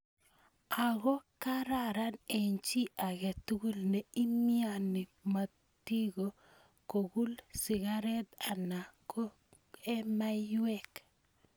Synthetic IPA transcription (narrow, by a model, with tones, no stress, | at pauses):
a˨ɡɔ˦kaɾaɾa˦neɲt͡ʃi˦ʔa˨ɡɛ˨tu˦ɡu˦lne˨i˦mianɪ˨ma˨ | ti˦ɡo | ko˨ku˦lsɪ˨ɡaɾɛ˦ta˨na˨ko˦ | ɛ˦majwɛk